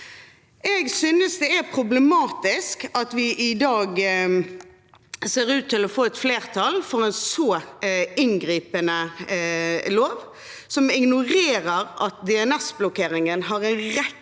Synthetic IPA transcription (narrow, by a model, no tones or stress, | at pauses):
ɛɡsyːnəsd̪ɛæpʰʁʊblɛmɑːt̪ɪskɑt̪ʋɪʔɪd̪ɑːɡ | seːʁʉːt̪ʰːɪlɔfoːɛt̪fleːʁt̪ʰɑlfɔʁɛnsɔːɪnɡʁiːpənə | loːʋ | sɔmɪɡnʊʁeːʁəʁʔɑt̪̚d̪ɛɛnɛsblʊkʰeːʁɪŋənɦɑʁɛnʁɛ